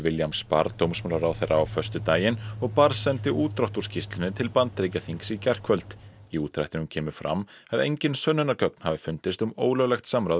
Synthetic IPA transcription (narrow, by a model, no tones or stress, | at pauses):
vɪljamspa̰ɾt̪owmsmœːlaɾawθejɾʔaawfœr̥st̪ʏt̪aːjɪnɔɣpaɾsɛnt̪ɪʔuːt̪ɾawht̪u̥scʰɪst̪lɪnɪt̪ʰɪlpant̪ɾejcaθiŋksicɛr̥kʰvœlt̪ | iuːt̪ɾa̰ht̪ɪnʏmcʰɛːmʏfɾa̰mː | aðḛjɲcɪnsœnːʏnaɾkœk̚n̥havɪfʏnt̪ɪst̪ʏmoːwlœɣlɛxt̪samɾawð